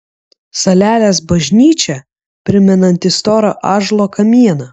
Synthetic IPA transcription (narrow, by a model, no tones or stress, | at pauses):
sɐlʲæːlʲeːs̬bɐʒʲnʲiːt͡ʃʲɛ | pʲɾʲɪmʲɛnɐnʲt̪ʲɪst̪ɔːɾo̰ʔɑːʒlˠoːkɐmʲiɛnɐ